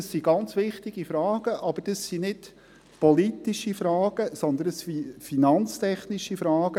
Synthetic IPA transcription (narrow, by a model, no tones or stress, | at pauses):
əsiɡɑnt͡sʋɪχt̪iɡ̥ifɾɑːɡ̥əʔɑb̥əd̥əsːinɪd | pɔlitiʃifɾɑːɡ̥əsɔnd̪ənəsfifinɑnt͡st̪ʰɛχniʃifɾɑːɡ̥ə